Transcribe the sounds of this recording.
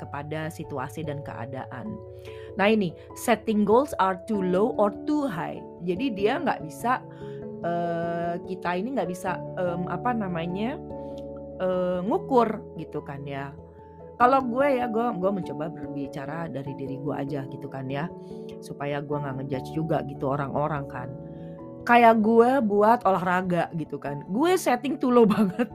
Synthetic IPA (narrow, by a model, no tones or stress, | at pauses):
kəpadasit̪ua̰sidankə̰ʔa̰da̰ʔa̰nː | ahini | sɛt̪ɪŋɡolsart̪ulowʔɔrt̪uɦa̰j | d͡ʒadidiaŋɡa̰ʔbisa | əkit̪ainiŋɡaʔbisaəmʔa̰panamaɲa | əŋukʊrɡit̪ukanja | kaloɡuɛjaɡuɛɡuɛməɲt͡ʃobabərbit͡ʃaɾadaɾidiɾiɡuɛ̰ʔa̰d͡ʒaɡit̪ukanja | supajaɡuɛŋɡaʔŋəd͡ʒat͡ʃd͡ʒuɡaɡit̪uoɾaŋʔoɾaŋkan | kajaʔɡuɛbuat̪olahraɡaʔɡit̪ukanɡuɛsɛt̪ɪŋt̪ulobaŋət̪̚